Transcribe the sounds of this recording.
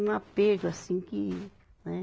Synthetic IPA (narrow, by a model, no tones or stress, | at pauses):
nãpeʐasĩŋki | nẽ